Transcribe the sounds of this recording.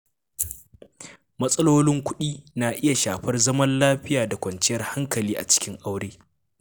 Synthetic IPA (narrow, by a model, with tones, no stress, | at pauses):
mɐ˦sʼɐ˦loː˦lɪ˦ŋkʷʊ˦ɗiː˦na˨ʔɪ˦ja˨ʃaː˨ɸɐ˦rzɐ˦mɐ˦nlaː˦ɸɪ˦jaː˨da˨kʷɐ˨nt͡ʃɪ˦jɐ˦rha˦ŋkɐ˨liː˦ʔa̰˨t͡ʃɪ̥˦kʲɪ˦ŋʔa˦wɽeː˦